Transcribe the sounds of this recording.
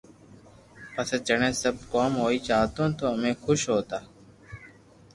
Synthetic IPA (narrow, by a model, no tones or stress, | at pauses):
pəseːd͡ʒəɳẽːsəb̚koːmɦoːiːt͡ʃaːɦt̪õːt̪oːəmẽːxʰʊʃɦoːt̪aː